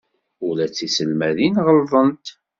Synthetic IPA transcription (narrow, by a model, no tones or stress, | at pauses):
ʊlæt͡sːisəlmæðinʁəlvˤənt̪